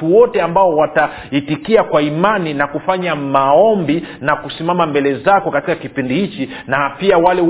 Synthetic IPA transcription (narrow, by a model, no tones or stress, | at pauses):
uwɔtɛambaɔwata | itikiakwaimaninakufaɲamaɔmbinakusimamambɛlɛzakɔkatikakipindihit͡ʃi | napiawalɛ